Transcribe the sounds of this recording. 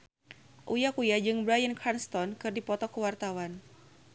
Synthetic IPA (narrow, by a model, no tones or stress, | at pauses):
ʔujakujad͡ʒɨŋbɾajənkʰanst̪ɔnkɨrdipɔt̪ɔkəwart̪awan